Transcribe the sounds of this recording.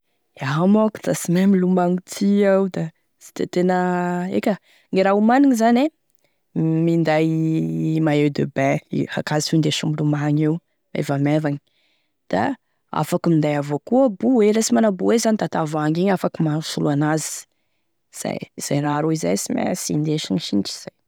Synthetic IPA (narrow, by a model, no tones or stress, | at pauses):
amaku̥t̪asimemilumaŋut̪ʰiawd̪a | z̥i̥t̪et̪enəḛkʲə | ŋɡeɾaumaniŋizane | mind̪aj | maewd̪ø̰bɛ̃ḭha̰kazifund̪eʃumilumaɲew | ḛvamɛvaɲ | d̪̥a̰ | a̰fakimind̪ajavokuəbuwelasimanabuwezanit̪at̪avaŋɡiɲafakimasuluanazi̥ | z̥a̰jz̥ajɾaɾuiza̰jsimḛsḭnd̪eʃiɲʃinit͡ʃi̥z̥aj